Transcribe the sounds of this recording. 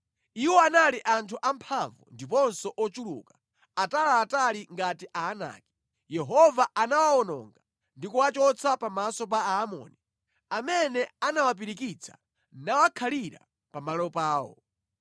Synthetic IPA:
iwɔanaliʔantʰuʔampʰaɱvṵndipɔnsɔʔɔt͡ʃulṵːkḁ | atalaːtaliŋɡatiʔaːna̰ːki̥ | jɛɦɔvaʔanawaɔnɔ̰ŋɡa | ndikuwat͡ʃɔt͡sʰapamasɔp̬aamɔ̰ːni | amɛnɛanawap̬iɾikit͡sʰḁ | nawakʰaliɾa̰ | pamalɔpaːwɔ̰

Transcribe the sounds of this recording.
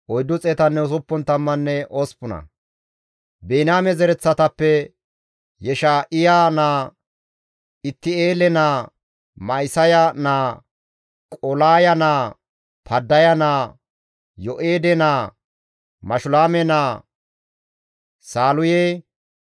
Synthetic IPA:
ʔɔjd̪ːʊt͡sʼɛːt̪ɐnːɛʊs̬ʊpːɔnt̪ɐmːɐnːɛʔoːspːʊnɐ̰ | beːnaːmɛzɛɾɛt͡sːɐt̪ɐpːɛ | jɛʃaʔɪjaːnaː | ɪt̪ːɪeːlɛnaː | mɐjsɐjanaː | kʼɔlaːjɐnaː | pʰɐd̪ːɐjɐnaː | jɔʔeːd̪ɛnaː | mɐʃʊlaːmɛnaː | saːlʊje

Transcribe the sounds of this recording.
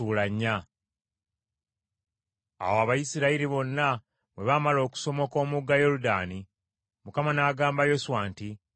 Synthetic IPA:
uːlaɲːa | a̰woaβajisiɾaiɾiβo̞nːa | mwe̞βamalo̞ːku̥so̞mo̞ko̞ːmuɡːajo̞ɾuda̰ːni | mukamanaːɡaːmbajo̞suwaːnti

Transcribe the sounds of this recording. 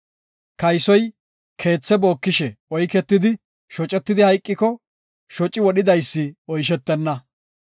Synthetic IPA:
kɐjsɔj | kʰe̞ːt͡sːɛbo̞ːkːɪʃɛɔjkɛt̪ːɪd̪ɪ | ʃɔt͡ʃʼːɛt̪ːɪd̪ɪhɐjkʼːɪkɔ | ʃɔt͡ʃʼːɪwɔɗɪd̪ɐjsːɪɔjʃ̬ɛt̪ːɛnːɐ

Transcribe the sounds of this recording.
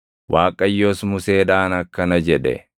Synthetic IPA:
wʔaːkʼɐjːoːsmʊse̞ːᶑaːnɐkːɐnɐd͡ʒɛᶑɛ̰

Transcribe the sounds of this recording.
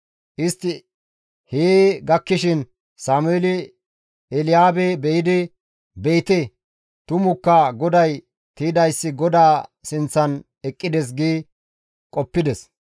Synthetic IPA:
ʔɪst̪ːɪ | heːɡɐkːɪʃɪn | saːmʊelɪ | ɛlɪjaːbebɛjɪd̪ɪ | bejt̪ɛ | t̪ʊmʊkːɐɡɔd̪ɐj | t̪iːd̪ɐjsːɪɡɔd̪aːsɪnt͡sːɐn | ɛkʼːɪd̪ɛs̬ɡiː | kʼɔpːɪd̪ɛs

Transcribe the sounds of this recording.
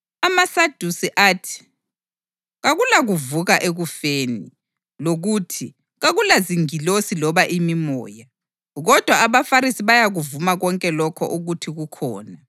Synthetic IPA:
amasad̥ʱusiʔaːtʰi̥ | ɣaɣulaɣuvuɣaʔeɣufeːni | loɣutʰi | ɣaɣulaziŋilosilɔβaʔimimɔ̰ːja | ɣɔd̥ʱwaːβafaɾisiβajaɣuvumaɣɔŋkʼɛlɔkʰɔ̰ʔuɣutʰiɣukʰɔ̰ːna

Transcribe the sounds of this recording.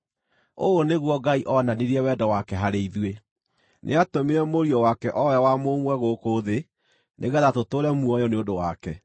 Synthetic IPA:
ooneɣwɔɡaiʔɔnaneɾiɛwɛdɔwakɛɦaɾeiðwe | nʔḛatomiɾɛmoɾiɔwakɛʔɔwɛwamomwɛɣoːkoːðe | nʔeɣɛðatotoːɾɛmuɔjɔneodowakɛ

